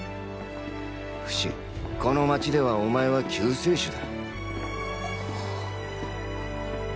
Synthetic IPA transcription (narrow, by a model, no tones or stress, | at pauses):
ɸɯ̟̥ɕḭ | ko̞no̞mat͡ɕid̪e̞βaomae̞βakʲɨːseːɕɨd̪a